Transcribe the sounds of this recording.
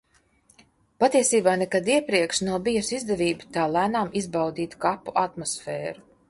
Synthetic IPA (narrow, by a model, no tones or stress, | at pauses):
pat̪iɛsiːbaːnɛkad̪iɛpɾiɛkʃnuɔbijusizd̪ɛviːbu̥t̪aːlˠænaːmizbawd̪iːt̪kapːuʔat̪mɔsfɛːɾu